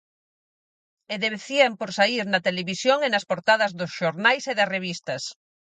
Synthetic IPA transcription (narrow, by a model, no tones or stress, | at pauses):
eðeβeθiɐmpoɾsaiɾnɐt̪eleβisjoŋenɐspoɾt̪aðɐzðʊsʃoɾnajseðɐreβ̞ist̪ɐs